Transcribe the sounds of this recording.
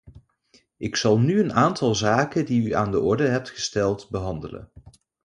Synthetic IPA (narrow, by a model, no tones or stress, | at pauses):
ʔɪksɑlˠnyənaːntʰɑlˠzaːkəndiyaːndəʔɔɹdəɦɛp̚tχə̥stɛlˠtbəɦɑndələ̰n